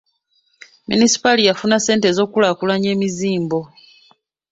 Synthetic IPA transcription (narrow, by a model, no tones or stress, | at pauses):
mḭnisi̥palijafunase̞ːnte̞zo̞ːkulaːkulaɲe̞ːmiziːmbo̞